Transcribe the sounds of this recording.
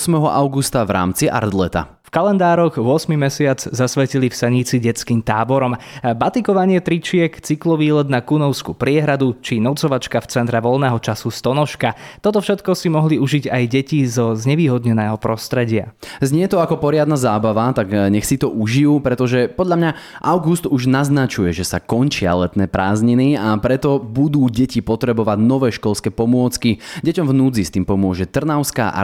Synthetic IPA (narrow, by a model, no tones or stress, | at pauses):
smɛɦɔʔaʊɡust̪avɾa̰ːmt͡siʔa̰ɾd̪lɛ̰t̪a̰ | fkalɛnd̪aːɾɔɣʊɔsmimɛsɪad͡zzasʋɛcilifsɛɲit͡siɟɛt͡skiːmt̪aːbɔɾɔmbat̪ikɔʋaɲɪɛt̪ɾit͡ʃɪɛkt͡siklɔʋiːlɛd̪nakunɔʊskupɾɪɛɦɾad̪ut͡ʃinɔt͡sɔʋat͡ʃkaft͡sɛnt̪ɾɛʋɔlnɛːɦɔt͡ʃasust̪ɔnɔʃkat̪ɔt̪ɔfʃɛt̪kɔsimɔɦliuʒiɟajɟɛcizɔzɲɛʋiːɦɔd̪ɲɛnɛːɦɔpɾɔst̪ɾɛɟɪa̰zɲɪɛt̪ɔakɔpɔɾɪad̪nazaːbaʋat̪aɡɲɛxsit̪ɔʔuʒijuːpɾɛt̪ɔʒɛpɔd̪ʎamɲa | ʔaʊɡust̪uʒnaznat͡ʃujɛʒɛsakɔnt͡ʃɪa̰lɛt̪nɛːpɾaːzɲiniapɾɛt̪ɔbud̪uːɟɛcipɔt̪ɾɛbɔʋaɟnɔʋɛːʃkɔʎskɛːpɔmʊɔt͡skiɟɛcɔmvnud͡zist̪iːmpɔmʊɔʒɛt̪r̩naʊska̰ʔ